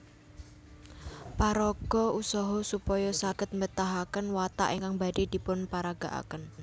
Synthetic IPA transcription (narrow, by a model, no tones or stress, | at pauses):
paɾɔɡ̥ɔusɔɦɔsupɔjɔsakət̪̚mət̪aɦakənwat̪a̰ʔiŋkaŋbaɖed̪̥i̤pʊnpaɾaɡ̥a̤ʔa̰kən